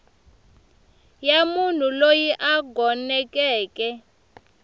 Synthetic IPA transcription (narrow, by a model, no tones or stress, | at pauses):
jamun̤ulojiʔaɡʱɔnɛkʼɛːkʼɛ